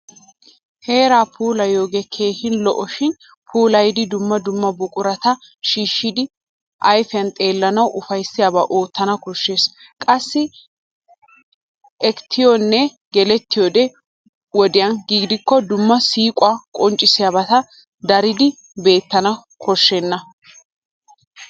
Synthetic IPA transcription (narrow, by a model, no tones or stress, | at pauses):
he̞ːɾaːpʰuːlɐjo̞ːɡɛkʰe̞ːhɪnlɔʔɔʃɪn | pʰuːlɐjd̪ɪd̪ʊmːɐd̪ʊmːɐbʊkʼʊɾɐt̪ɐ | ʃiːʃːɪd̪ɪ | ʔɐjfɪɐnt̪ʼe̞ːlːɐnɐwʔʊfɐjsːɪjabaʔo̞ːt̪ːɐnɐkɔʃːe̞ːs | kʼɐsːɪ | ʔɛkt̪ʰːɪjonːɛ | ɡɛlɛt̪ːɪjod̪ɛ | wɔd̪ɪjɐnɡiːɡd̪ɪkːɔd̪ʊmːɐsiːkʼʊakʼɔnt͡ʃʼːɪsɪjabɐt̪ɐ | d̪ɐɾɪd̪ɪ | be̞ːt̪ːɐnɐ | kʰɔʃːɛnːɐ